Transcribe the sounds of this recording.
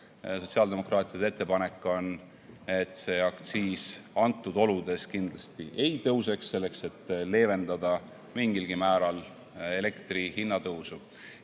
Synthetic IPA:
so̞t̪siɑld̪e̞mo̞krɑːt̪ˑiɑd̪ee̞t̪ˑːe̞pɑne̞kːˑo̞n | et̪ːse̞ɑkt̪siːsɑnt̪ˑːud̪̥o̞lud̪̥e̞skind̪̥lɑst̪iʔe̞jt̪ɤwse̞ksːe̞lːe̞kse̞t̪ːle̞ːve̞nd̪̥ɑd̪̥ɑ | miŋɡilɡ̥imæːɾɑl | e̞le̞kt̪rihinːɑt̪ɤwsu

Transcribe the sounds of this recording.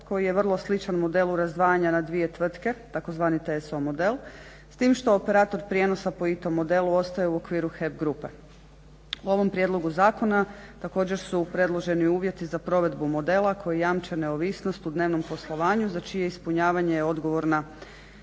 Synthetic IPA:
ko̞jije̞ʋərlˠo̞slit͡ʃanmo̞d̪e̞luɾazd̪ʋaːjaɲanad̪ʋije̞t̪ʋr̩t̪ke̞t̪ako̞zʋaːnit̪eso̞mo̞d̪e̞lˠ | st̪iːmʃt̪o̞ope̞ɾaːt̪o̞ɾpɾʲje̞no̞sapo̞it̪o̞mːo̞d̪e̞luo̞st̪ajeuo̞kʋiːɾuxe̞bɡɾupe | uo̞ʋo̞mpɾʲje̞d̪lˠo̞ɡuzaːko̞nat̪ako̞ːd͡ʑe̞ɾsupɾe̞d̪lˠo̞ʒe̞niuːʋje̞t̪izapɾo̞ʋe̞d̪bumo̞d̪e̞lˠakʰo̞jijaːmt͡ʃene̞oʋisno̞st̪ud̪ne̞ːʋno̞mpo̞slˠo̞ʋaːɲuzat͡ʃijeispuɲaːʋaɲejeo̞d̪ɡo̞ʋo̞ɾna

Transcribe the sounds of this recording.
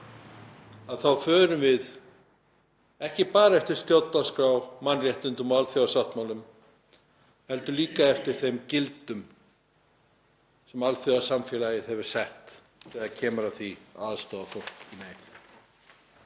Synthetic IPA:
aðθawfœːɾʏmvɪð | ɛhcɪpaːɾaɛft̪ɪɾ̥st̪jowt̪naskɾawmanrjɛht̪ʏnt̪ʏmɔalθjʏasaht̪mawlʏm | hɛl̪t̪ʏliːkaɛft̪ɪɾ̥θejmcɪlt̪ʏm | sɛmalθjœasamfjɛlajɪðhɛvʏɾ̥sɛht̪ | θɛɣaðcʰɛːmʏɾaθviaːðst̪ɔːðafɔɾ̥t̪ineːj̪

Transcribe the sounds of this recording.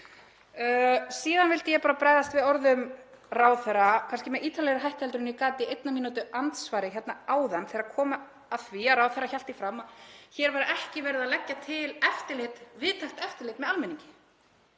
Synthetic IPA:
siːðanvɪlt̪ɪjɛpaːɾapɾaːjðast̪vɪðɔɾðʏm | raːwθɛrakʰanscɪmɛðʔiːt̪alɛɾʏɦajht̪hɛlt̪ɾʏnikaːt̪ɪejt̪namiːnut̪ʏʔant̪svaːɾɪçɛt̪naaːwðanθɛɾakʰɔːmaː | ðθviaɾawθɛrːaçal̥t̪ifɾamːaçɛɾvaɾʔɛhcɪvɛɾɪðaðlɛcːat̪ʰɪlɛft̪ɪlɪt̪vɪðt̪ʰaxt̪ɛft̪ɪlɪːt̪mɛðalmɛniɲcɪ̥

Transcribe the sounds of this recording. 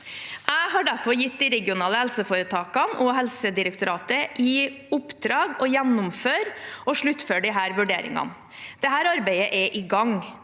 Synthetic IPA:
ʔæɪɦɑɖæɾfɔɾjɪt̪ːd̪iɾɛɡɪʊnɑːləhɛlsəfoːɾət̪ʰɑːkɑnʔɔɦɛlsəd̪ɪɾəkt̪ʊɾɑːt̪əʔiːʊpd̪ɾɑːɡɔjɛnːʊmføːɾɔʂɭʉt̪ːføːɖɪɦæːɾʋʉɖeːɾɪ̰ŋɑ̰n | d̪̥ɛɦæːɾɑɾbæɪəʔɛʔɪɡɑŋ

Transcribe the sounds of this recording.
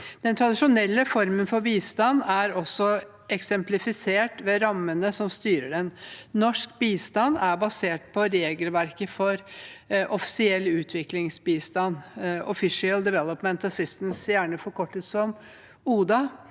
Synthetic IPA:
d̪̥ɛnt̪ʰɾɑd̪ɪʂʊnɛlːəfɔɾmənfɔɾbiːst̪ɑnːæɾɔsːɔ | ʔɛksɛmplɪfɪseːʈʋɛɾɑmːənəsɔmst̪yːɾəɖɛnːɔʂkbiːst̪ɑnːæɾbɑseːʈ̚pʰɔɾeːɡəlʋæɾkəfɔɾʔɔfɪ̥sɪɛlːʉːt̪ʰʋɪklɪŋsbiːst̪ɑnɔfɪʂɪəld̪ɪʋɛlɔpmɛnt̪ɔsɪsmsjæːɳəfɔɾkʰɔʈːət̪sɔm | uːd̪ɑ

